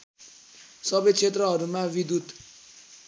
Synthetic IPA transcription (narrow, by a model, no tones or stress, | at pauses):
sɔbet͡ʃʰet̪ɾɔɦɔɾumavid̪ud̪